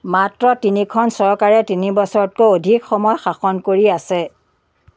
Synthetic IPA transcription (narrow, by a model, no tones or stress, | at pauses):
matɹɔtinikʰɔnsɔɹkaɹɛtinibɔsɔɹɔt̚koodʱikxɔmɔjxaxɔnkoɹiasɛ